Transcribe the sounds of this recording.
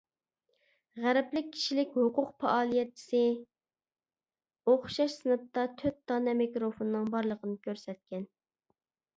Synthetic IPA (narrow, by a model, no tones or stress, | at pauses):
ʁæɾɛplɪk̚ʲʰːi̥ʃilɪkʲhuqʊqpʰɛʔɑːlˠijɛt̪̚t͡ʃʰi̥sɪ | oχʃɑʃsɨnɨp̚t̪ɑt̪ʰøt̪̚d̪ɑnɛmekɾofonnɨŋbɑɾlˠəqʰənɨkʲʰøɾsɛt̪̚kʲɛn